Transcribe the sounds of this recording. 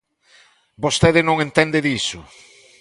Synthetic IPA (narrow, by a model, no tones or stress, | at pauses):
bost̪eðɪnõŋẽnt̪end̪eðisʊ̰